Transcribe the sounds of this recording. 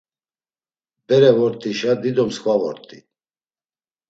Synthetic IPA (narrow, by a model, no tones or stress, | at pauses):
bɛɾɛvɔɾt̪ʼiʃad̪id̪ɔmskʰʼvavɔ̰ɾt̪ʼi